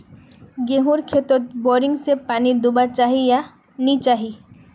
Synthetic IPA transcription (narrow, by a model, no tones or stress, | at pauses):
ɡẽɦuɾkʰet̪ot̪bɔɾɪŋɡsepaːnid̪ʊbaɾt͡ʃaːɦija | nit͡ʃaːɦi